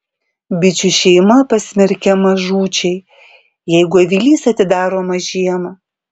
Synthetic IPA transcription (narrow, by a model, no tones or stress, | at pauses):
bʲɪt͡ʃʲʊʃʲɛɪmɐpɐsʲmʲɛɾʲkʲɛmɐʒuːt͡ʃʲɛɪ | jɛɪɡʊɐʋʲilʲiːsɐt̪ʲɪd̪ɑːɾoːmɐʒʲiɛmɐ